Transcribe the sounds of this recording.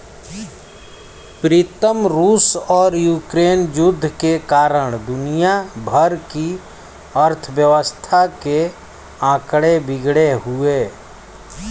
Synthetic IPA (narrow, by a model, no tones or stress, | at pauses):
pɾiːt̪əmɾuːsɔːɾjuːkɾeːnjʊd̪ʱːkekaːɾəɽ̃d̪ʊnijabʱəɾki | əɾt̪ʰəʋjəʋəst̪ʰake | ãːkɽebɪɡɽeɦʊeː